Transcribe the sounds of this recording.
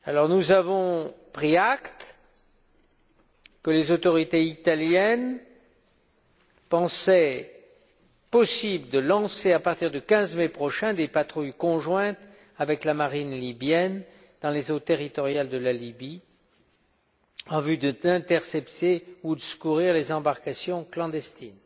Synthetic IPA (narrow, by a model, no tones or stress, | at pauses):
alɔʁnuzavɔ̃pχiakt̪ | kəlezot̪ɔʁit̪eit̪aljɛn | pɑ̃sɛ | pɔsibləd̪əlɑ̃seapaʁt̪iʁd̪əkʲɛ̃zmɛpχɔʃɛ̃d̪epat̪χujkɔ̃ʒwɛ̃t̪ | avɛklamaʁinlibjɛn | d̪ɑ̃lezot̪eʁit̪ɔʁjald̪əlalibi | ɑ̃vyd̪əd̪ɛ̃t̪ɛʁsɛpt̪eud̪əsə̥kuʁiʁlezɑ̃baʁkasjɔ̃klɑ̃d̪ɛst̪in